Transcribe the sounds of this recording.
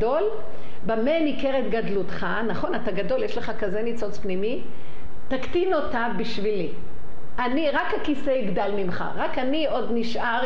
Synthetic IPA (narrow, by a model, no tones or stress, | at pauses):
do̞l | bamenikeʁet̪ɡadlut̪χanaχo̞nat̪aɡado̞ljeʃleχakaze̞nit͡so̞t͡spnimi | t̪akt̪ino̞tavbiʃvili | ʔaniʁakhakiseiɡd̪almimχa̰ʁakanio̞dniʃʔaʁ